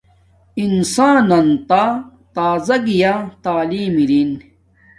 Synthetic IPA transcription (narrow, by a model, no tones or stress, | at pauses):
insaːnɐnt̪a | t̪aːzɐɡijat̪aːliːmiɾin